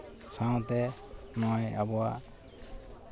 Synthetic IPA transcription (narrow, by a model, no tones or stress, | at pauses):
sãw̃t̪ɛ | nɔjabɔwa